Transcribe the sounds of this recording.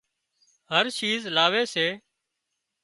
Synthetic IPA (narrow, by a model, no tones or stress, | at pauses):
ɦəɾʃiːzlaːʋeːseː